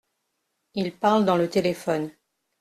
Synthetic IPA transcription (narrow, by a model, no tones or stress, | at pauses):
ilpaʁld̪ɑ̃lət̪elefɔn